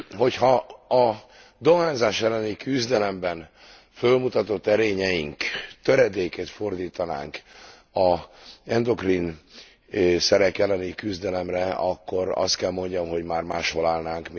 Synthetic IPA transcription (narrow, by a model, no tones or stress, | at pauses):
ho̞chɒɒ | d̪o̞ɦaːnzaːʃɛlːɛnikyzd̪ɛlɛmbɛn | følmut̪ɒt̪o̞t̪ːɛɾeːɲɛjiŋkt̪øɾɛd̪eːket̪fo̞rd̪iːt̪ɒna̰ːŋk | ɒɛnd̪o̞ɡrin | sɛɾɛkɛlːɛnikyzd̪ɛlɛmrɛɒkːo̞ɾɒ̰st̪̚kɛlmo̞ɲɟɒmɦo̞ɟmaːrmaːʃho̞laːlnaːŋkm